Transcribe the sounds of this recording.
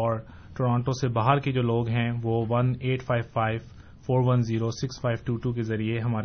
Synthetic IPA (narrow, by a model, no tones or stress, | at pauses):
ɔːɾ | ʈoːɾãːɳʈõsebaːɦəɾked͡ʒoːloːɡɦɛ̃ʋoːʋɐneːʈfaːɪʋfaːɪʋ | foːɾʋɐnziːɾosɪksfaːɪʋʈuːʈuk̬ezɐɾieɦɐmaːɾe